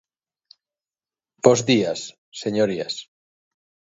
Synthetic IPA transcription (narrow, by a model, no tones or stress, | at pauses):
b̥ozðiasː | eɲoɾia̰s